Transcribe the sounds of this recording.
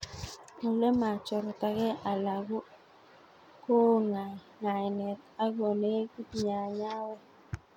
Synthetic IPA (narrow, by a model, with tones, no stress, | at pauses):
o˨le˦ma˨t͡ʃɔ˨ɾɔ˨ta˨ɡɛ˦ʔa˨la˨ɡo˦ | ko˦ŋa˨ | ŋa˨ɪ˨nɛ˨t̪a˦ɡɔ˨ne˦ku˦tɲa˨ɲa˦wɛ˦